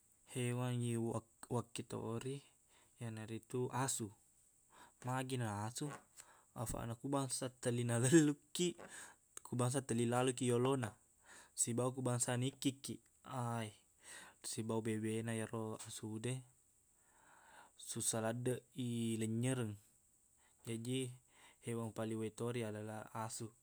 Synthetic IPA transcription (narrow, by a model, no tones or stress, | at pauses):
hewaŋiwakːit̪o̰ʔɾi | janaɾit̪uʔasu | maɡinaasu | a̰fa̰ʔnakubaŋsat̪əlinaləlːukːi | kubaŋs̬at̪əlilaluk̬ijolona | sibauk̬ubaŋsanikːikːi | ai | sibaubebenajaroasude | susaladəʔiləɲːəɾəŋ | d͡ʒad͡ʒihewaŋpaliwet̪oɾiadalaasu